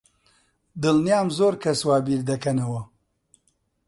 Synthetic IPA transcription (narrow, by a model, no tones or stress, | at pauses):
d̪ɨlnjaːmzoːɾkʰɐswaːbiːɾd̪ɐkɐnɐwɐ